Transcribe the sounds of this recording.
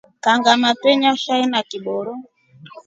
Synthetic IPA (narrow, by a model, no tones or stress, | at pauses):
kaŋɡamatwɛɲaʃainakiɓɔɾɔ